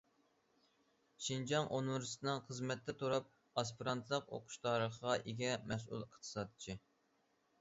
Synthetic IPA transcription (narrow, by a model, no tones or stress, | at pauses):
ʃind͡ʒɑŋʔonwɨɾst̪nɨŋχəzmɛt̪ʰːɛt̪ʰuɾɑp̚ | ɑspiɾɑnt̪ʰɨlˠəqo̰qʰʊ̥ʃt̪ʰɑːɾəχəʁɑʔeɡʲɛmɛs̬ṵlˠəχt̪ʰɨ̥sɑːd̪t͡ʃʰi